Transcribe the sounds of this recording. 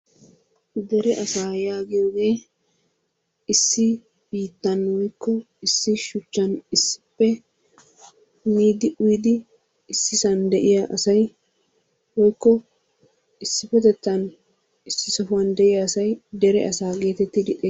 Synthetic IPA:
d̪ɛɾɛʔɐsaːjaːɡɪjoːɡe̞ː | ɪsːɪ | b̥iːt̪ːɐnwɔjkːɔ | ɪsːɪʃʊt͡ʃːɐnɪsːɪ̥pːɛ | hʊmiːd̪ɪʔʊjd̪ɪː | sːɪsɐnd̪ɛʔɪjaʔɐsɐj | wɔjkːɔ | ɪsːɪfɛt̪ɛt̪ːɐn | ɪsːɪsɔfʊwɐnd̪ɛʔɪjaːsɐjd̪ɛɾɛɐsaːɡe̞ːt̪ɛt̪ːɪd̪ɪʔʼe

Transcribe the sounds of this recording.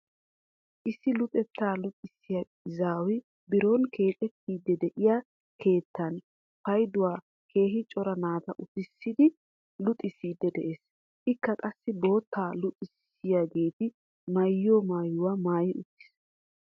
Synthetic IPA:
ʔɪsːɪlʊt̪ʼɛt̪ːaːlʊt̪ʼɪsːɪja | ɪzaːwɪ | bɪɾonkʰe̞ːt̪ʼɛt̪ːiːd̪ːɛd̪ɛʔɪja | kʰe̞ːt̪ːɐn | pɐjd̪ʊwaː | kʰe̞ːɦɪt͡ʃʼɔɾɐnaːt̪ɐʔʊt̪ɪsːɪd̪ɪ | lʊt̪ʼːɪsːiːd̪ːɛd̪ɛʔeːs | ʔɪkːɐkʼɐsːɪbo̞ːt̪ːaːlʊt̪ʼɪs | ɪjaɡeːt̪ɪ | mɐjːoːmaːjʊwaːmaːjɪʊt̪ːɪ̥s

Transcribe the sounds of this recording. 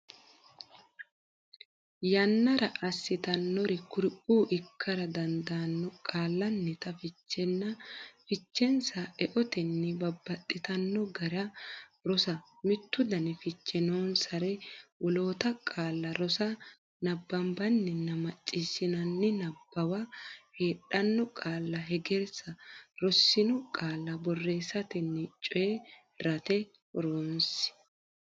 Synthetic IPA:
jɐnːɐɾɐʔɐsːɪt̪ɐnːɔɾɪkʊɾɪʔuːʔɪkʰːɐɾɐd̪ɐnd̪anːɔkʼaːlːɐnːɪt̪ɐfɪt͡ʃːɛnːɐfɪt͡ʃːɛnsɐɛʔɔt̪ɛnːɛbɐbːɐt̪ʼːɪt̪ɐnːɔɡɐɾɐɾɔsɐmɪt̪ːʊd̪ɐnɪfɪt͡ʃːɛnoːnsɐɾɛwɔloːt̪ɐkʼaːlːɐɾɔsɐ | nɐbːɐmbɐnːɪnːɐmɐt͡ʃʼːɪsɪnɐnːɪnɐbːɐwɐheːɗɐnːɔkʼaːlːɐɦɛɡeɾsɐɾɔsːɪnʊkʼaːlːɐbɔrːe̞ːsːɐt̪ɛnːɪt͡ʃʼɔje | ɾɐt̪ɛ | ɔɾoːnsɪ̥

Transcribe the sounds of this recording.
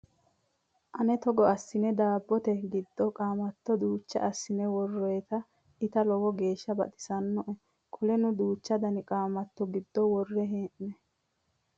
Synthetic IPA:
ʔɐnɛt̪ɔɡɔɐsːɪnɛd̪aːbːɔt̪ɛɡɪd̪ːɔkʼaːmɐt̪ːɔd̪uːt͡ʃːɐ̰ʔɐsːɪnɛwɔrːɔjɛt̪ɐ | ɪt̪ɐlɔwɔɡe̞ːʃːɐbɐ̰t̪ʼɪ̥sɐnːɔʔɛ | kʰɔlɛnʊd̪uːt͡ʃːɐd̪ɐnɪkʼaːmɐt̪ːɔɡɪd̪ːɔwɔrːɛɦeːʔnɛ

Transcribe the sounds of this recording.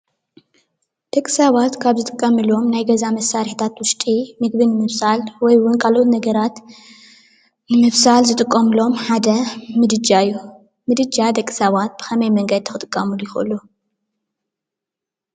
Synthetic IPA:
d̪̥ɐkʼi̥saβat̪kʰaβzɨt̪ʼɨkʼːɐmɨlo̞mnajɡɐzamɐsːaɾħit̪ʰat̪wʊʃt̪ʼimɨɡbɨnɨmɨβsalwɔjwʊnkʰalʔot̪nɐɡɐɾat̪ | nɨmɨβsalzɨt̪ʼɨkʼːɐmɨlo̞mħad̪ɐmɨd̪ɨd͡ʒaɨjːu | mɨd̪ɨd͡ʒad̪ɐkʼi̥saβat̪̚bɨxɐmɐjmɐŋɡɐd̪̚t̪ʰɐxɨt̪ʼɨkʼːɐmɨlujɪxʔɨ̰lːu

